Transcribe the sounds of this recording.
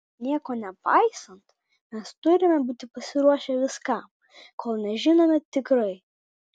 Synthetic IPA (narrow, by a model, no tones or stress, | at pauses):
nʲiɛkoːnʲɛpɑɪsɐnt̪ | mʲɛst̪ʊɾʲɪmʲɛbuːt̪ʲɪpɐsʲɪɾuɔʃʲɛʋʲɪskɑm | kʰoːlˠnʲɛʒʲɪnoːmʲɛt̪ʲɪkɾɐɪ